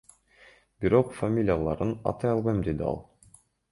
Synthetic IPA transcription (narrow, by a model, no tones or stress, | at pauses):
biɾo̞qfamʲilʲijalˠɑɾɯnɑ̰t̪ɑjɑlˠβɑjmd̪e̞d̪iɑ̰lˠ